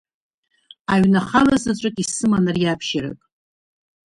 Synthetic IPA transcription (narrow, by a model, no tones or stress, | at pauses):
aɥnaχalazat͡ʃʷʼɨkʼisɨmanɨrjapʰʃaɾa̰kʼ